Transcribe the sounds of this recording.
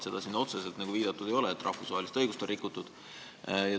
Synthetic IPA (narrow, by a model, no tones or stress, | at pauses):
se̞d̪̥ɑsinːo̞t̪se̞se̞lt̪nɑɡ̥uviːd̪̥ɑt̪ːˑud̪̥e̞jo̞leet̪ːˑrʔɑ̰hfusvɑɦelist̪ɤjɡust̪onrikːˑut̪ːud̪̥ | jɑ